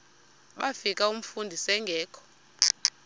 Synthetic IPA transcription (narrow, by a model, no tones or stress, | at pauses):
ɓafik̬ʼaum̩fundʱisɛŋɡʱɛːkʰɔ̥